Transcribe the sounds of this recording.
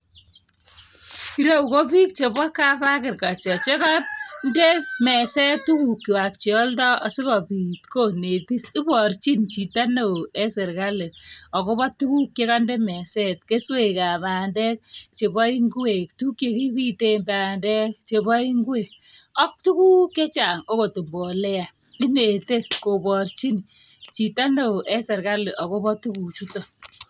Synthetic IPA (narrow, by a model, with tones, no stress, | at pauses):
i˨ɾe˦u˨ko˦pi˦k̚t͡ʃe˨bɔ˦kːa˦pa˦kɪ˨rka˨t͡ʃɔ˨t͡ʃe˦kɔ˦tnde˦mɛ˨sɛ˦tːu˦ku˨kːi˨wa˨k̚t͡ʃe˨ɔ˦ldɔ˦ʔɔ˨si˦kɔ˨pi˨tko˦˨ne˨ti˦si˦pɔ˨rt͡ʃi˦nt͡ʃi˨ta˦no˨e˦sɪ˨rka˦le˨ɔ˨ko˦bɔ˦tːu˦ku˦kje˦ka˦ndɛ˦mɛ˨sɛ˦t̚ke˦swe˨ka˨baː˨ndɛ˦k̚t͡ʃe˨bɔ˦i˦ŋɡu˦e˨ktu˦kje˨ki˦pi˦te˦mba˨ndɛ˦k̚t͡ʃe˨bɔ˦i˦ŋɡu˦e˨k̚ɔ˦k̚tu˦ku˦kːe˦t͡ʃa˨ŋo˦ko˨ti˨mbɔ˨lɛ˦a˨ | i˦ne˨te˦ko˨bɔ˨rt͡ʃi˦n | t͡ʃi˨ta˦no˨ʔɛ˦sɪ˨ɾka˦le˨ʔɔ˨ko˦bɔ˦tu˦ku˨t͡ʃu˦to˨